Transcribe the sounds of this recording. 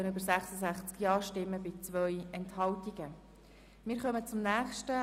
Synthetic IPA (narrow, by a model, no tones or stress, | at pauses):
ənybəɾsæχsəsæχt͡skjɑːʃtɪmːəbɪt͡sʋœʏɛnthɑltiɡ̥ə | mɪːɾχœmət͡sʊmnæːχʃtə